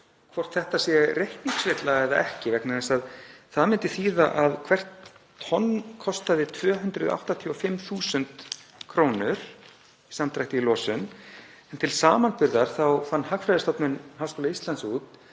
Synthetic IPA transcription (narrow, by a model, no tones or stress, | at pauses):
kʰvɔr̥t̪θɛht̪asɛrehkniŋksvɪt̪laɛðaɛhcɪvɛknaɛnsaðθaðmɪnt̪ɪθiːðaʔaðkʰvɛr̥t̪ʰː | ɔnːkʰɔst̪aðɪt̪ʰvœːɦʏnt̪ɾʏða̰wht̪at̪ʰjɔfɪmθuːsʏnt̪kʰɾoːwnʏɾ̥ | isamt̪ɾajht̪ɪilɔːsʏn | ɛnt̪ʰɪlsaːmanpʏɾðaɾ̥θawfanːɦakfɾajðɪst̪ɔpnʏnɦaːwskowlaist̪lant̪sut̪